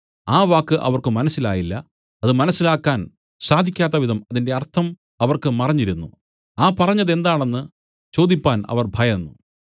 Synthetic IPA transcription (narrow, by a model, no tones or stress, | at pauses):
aːʋaːkːɨʔɐ̰ʋɐrkɨmɐnɐsːila̰ːjilːɐː | ðɨmɐnɐsːilaːkːaːn | saːd̪ʱikʲːaːt̪̬ːɐʋid̪ɐmɐðinde̞ɐrt̪ʰɐm | ɐʋɐrkɨmɐrɐɲːiɾunːu | aːpɐrɐɲːɐðe̞nd̪aːɳe̞nːɨ | t͡ɕo̞ːd̪ipːaːnɐ̰ʋɐrbʱɐjɐnːu